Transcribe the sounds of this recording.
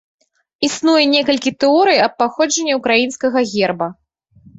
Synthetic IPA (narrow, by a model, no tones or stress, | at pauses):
isnujɛnʲɛkɐlʲkʲit̪ɛɔɾɨjɐp̚ːaxɔd͡ʐɐnʲːɛukɾajinskɐɣɐɣʲɛrbɐ